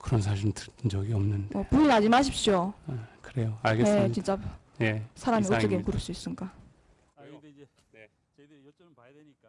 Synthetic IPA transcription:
kɯɾʌnsʰaɕʰiɾntɯ̥nd͡ʑʌɡiʌmnɯndeʌpuinad͡ʑimaɕʰip̚ɕ͈okɯɾe̞joaɭɡejest͡ɕint͡ɕ͈a | je̞sʰaɾamioʌɡenkuɾɯps͈uis͈ɯnɡa

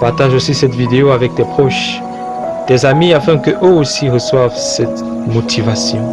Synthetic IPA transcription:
paʁt̪aʒosisɛt̪vid̪eoavɛk̚d̪ɛpχɔʃ | d̪̥ɛzamiafɛ̃kəʔøosiʁəswavsɛt̪ | mɔt̪ʰivasjɔ̃

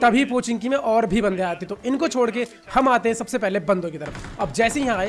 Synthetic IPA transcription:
t̪ɐbʱipoːt͡ʃɪ̃ŋɡkimẽʔɔːɾbʱibɐ̃nd̪eaːt̪eɛ̃t̪oɪnkot͡ʃʰoːɽke | hɐmaːt̪ẽɦɛ̃sɐbsepɛɦlebɐ̃nd̪õkit̪ɐɾəfɐb̚d͡ʒɛːsejɐɦãaːe

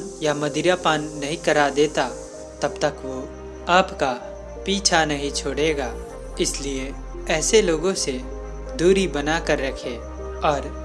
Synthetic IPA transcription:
jamɐd̪ɪɾapaːnːɐɦĩkɐɾad̪eːt̪a | t̪ɐbt̪əkʋo | aːpka | piːt͡ʃʰanɐɦĩt͡ʃʰoːɽeːɡaː | ɪslie | ɛːseloːɡõse | d̪uːɾibɐnakəɾːɐkʰe | ɔːɾ

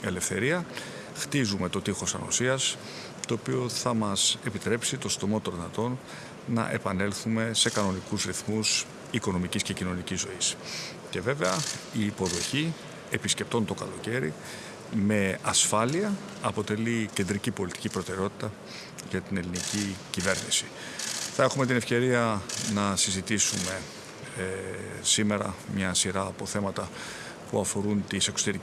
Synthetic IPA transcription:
e̞le̞fθe̞ɾiɐ | xt̪izume̞t̪o̞t̪ixo̞sɐ̰no̰siɐs | t̪o̞ːpio̞θɐmɐsepit̪ɾe̞psit̪o̞st̪o̞mo̞t̪onðinɐt̪o̞nː | ɐ̰ʔe̞̰pɐne̞lθume̞se̞kɐno̞nikuzɾiθmus | iko̞no̞micisce̞cino̞nicizːo̞is | ce̞ve̞ve̞ɐiːpo̞ðo̞çi | e̞pisce̞p̚t̪o̞nt̪o̞kɐ̰lo̞ce̞ɾi | me̞ɐsfɐliɐ | ɐpo̞t̪e̞licend̪ɾicipo̞lit̪i̥cipɾo̞t̪e̞ɾeo̞t̪i̥t̪ɐ | ʝɐt̪ine̞linicicive̞ɾnḭsi̥ | θɐe̞xume̞t̪ine̞fce̞ɾiɐnɐsizit̪isume̞ | sime̞ɾɐ̰mɲɐsiɾɐːpo̞θe̞mɐt̪ɐ | puɐfo̞ɾunt̪ise̞ksot̪e̞ɾi

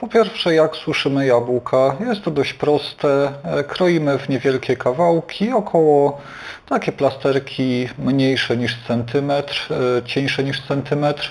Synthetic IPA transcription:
pɔpʲjɛɾfʂɛjakswɘʂɘmɘjabukʰajɛst̪ːɔd̪ɔɕt͡ɕpɾɔst̪ɛkɾɔjimɘvɲɛvʲjɛlkʲɛkavawkʲiɔkʰɔwɔ | t̪akʲɛplast̪ɛɾkʲimɲejʂɛɲiʂt̪sɛnt̪ɘmɛt̪ɾt͡ɕɛ̃j̃ʂɛɲiʂt̪sɛnt̪ɘmɛt̪ɾ

